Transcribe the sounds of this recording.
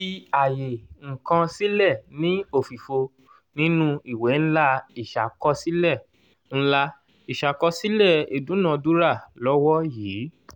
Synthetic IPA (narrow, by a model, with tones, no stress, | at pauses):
i˦a˨je˨ŋ̩˨kã˧si˦lɛ˦˨nĩ˨˦o˦˨fi˨fo˧ | nĩ˦nũ˦i˦˨we˨˦n̩˦la˦i˨ʃa˨kɔ˧si˦lɛ˦˨ | n̩˦la˦˧ | i˨ʃa˨kɔ˧si˦lɛ˦˨e˨dũ˨˦nã˧du˦ɾa˦˨lɔ˦wɔ˦jiː˨˦